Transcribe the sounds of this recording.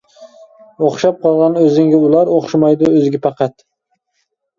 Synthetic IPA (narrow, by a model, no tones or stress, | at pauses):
oχʃɑp̚qʰɑlˠʁɑnøzɪŋɡʲɛʊlˠɑɾoχʃmɑjd̪ʊɵzɪɡʲɛpɑqɑt̪